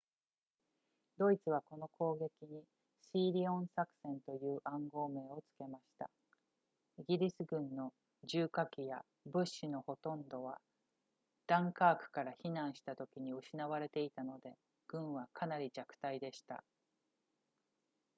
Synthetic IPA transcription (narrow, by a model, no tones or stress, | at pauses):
d̪̥o̞it͡sɨβ̞ako̞no̞ko̞ːɡe̞kʲiɲ̟i | siːɾʲiõ̞ɰ̃sakɯ̟̥sẽ̞nt̪o̞jɯ̟ːʔãŋɡo̞ːme̞ːo̞t͡sɨ̥ke̞maɕi̥t̪a̰ | iɡʲiɾʲisɨɡɯ̟̃nːo̞ | ʑɨːkakʲija | bɯ̟ɕːino̞ho̞t̪õ̞nd̪o̞β̞a | d̪̥ãŋkaːkɯ̟̥kaɾaçinãɰ̃ɕi̥t̪at̪o̞kʲiɲ̟iɯɕinaβ̞aɾe̞t̪e̞it̪ano̞d̪e̞ | ɡ̥ɯ̟̃ɰ̃βakʰanaɾʲid͡ʑakɯ̥t̪aid̪e̞ɕi̥t̪a̰